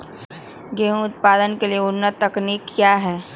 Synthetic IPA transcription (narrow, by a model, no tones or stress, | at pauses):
ɡẽːʊt̪̚paːd̪ənkelieʊnːəɐkniːkːjaːɦɛː